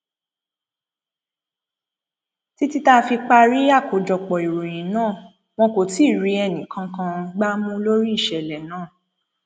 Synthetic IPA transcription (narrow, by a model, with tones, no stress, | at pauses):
ti˦ti˦ta˦˧fi˧k͡pa˧ɾi˦a˦˨ko˨˦d͡ʒɔ˨k͡pɔ˨i˨ɾo˨j̃ĩ˨˦nãː˦˨ | w̃ɔ̃˧ko˨ti˦˨ɾi˧˦ɛ˧nĩ˨kã˧kã˧ɡ͡ba˦mũ˦lo˦ɾi˦i˦˨ʃɛ˨lɛ˨nãː˦˨